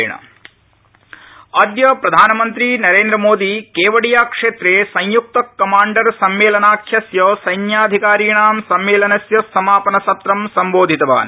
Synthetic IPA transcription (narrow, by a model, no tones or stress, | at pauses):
ɳɐ̰ | ɐd̪jɐpɾɐd̪ʱaːnɐmɐnt̪ɾinɐɾeːnd̪ɾɐmoːd̪ikeːʋɐɽijaːkʂeːt̪ɾeːsɐjjuk̚t̪ɐkːɐmaːɳɖɐɾsɐmʋeːlɐnaːkʰjɐsjɐsɐjnjaːd̪ʱikaːɾiːɳaːmsɐmʋeːlɐnɐsjɐsɐmaːpɐnɐsɐt̪ɾɐmsɐmboːd̪ʱit̪ɐʋa̰ːn